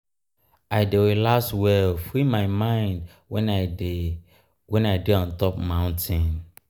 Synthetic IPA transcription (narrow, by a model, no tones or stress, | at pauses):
aɪdewelaswɛlfimaɪmãɪ̃nd | wɛna | wɛ̃naɪdeɔ̃ntɔpmãʊ̃ntʰĩn